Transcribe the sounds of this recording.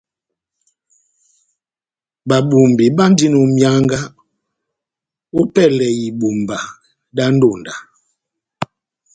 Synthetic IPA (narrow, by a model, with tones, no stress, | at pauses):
ba˨ɓu˨mbi˨ɓa˦n˦di˦no˨mja˦ŋɡa˦ | u˦pɛ˦˨lɛ˨ji˨ɓu˨mba˨ | da˦n˦do˦˨nda˨